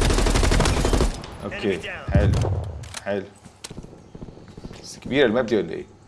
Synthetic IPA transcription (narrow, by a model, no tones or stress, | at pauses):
ʔo̰keːħel̰ħeːl | skæbiːɾælmæb̚d̪iwalːʔḛː